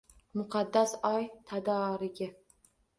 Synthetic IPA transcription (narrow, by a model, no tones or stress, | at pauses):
mʊqʰɑd̪ːasɒjt̪ʰad̪ɒːɾɪɡʲɪ